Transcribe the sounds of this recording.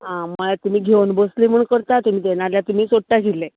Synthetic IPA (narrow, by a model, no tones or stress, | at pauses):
ɦãməɭat̪um̤iːɡʱewnbəsleməɳkəɾt̪at̪um̤iːd̪eñaljat̪umiːsoʈːaɡile